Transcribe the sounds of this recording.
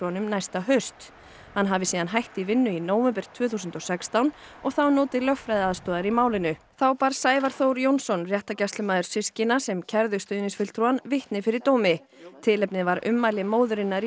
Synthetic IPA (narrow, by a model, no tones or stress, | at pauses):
uanʏmnajst̪aɦœɥst̪ | hanɦavɪsiːðanɦajht̪ivɪnːʏinoːwvɛmpɛɾ̥t̪ʰv̥œːθus̬ʏnt̪ɔsɛkst̪awn | ɔɣθawnoːt̪ɪlœxfɾajðaːðst̪ɔːðaɾimaːwlɪnʏ | θawpaːɾsaːjvaɾ̥θowɾjownsɔnrjɛht̪acast̪lʏmaːðʏɾ̥sɪscɪnasɛmcʰɛɾðʏst̪œnɪsfɪlt̪ʰɾuanvɪht̪nɪfɪɾɪɾ̥t̪owmɪ | t̪ʰɪlɛpnɪvaɾʏ̰mːajlɪmoːwðʏɾɪnːaɾi